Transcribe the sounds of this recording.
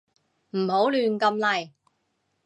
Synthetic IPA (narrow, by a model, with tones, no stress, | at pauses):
m̩˨˩ho˨˥wlyː˨nkɐ˧mlɐ˨˩j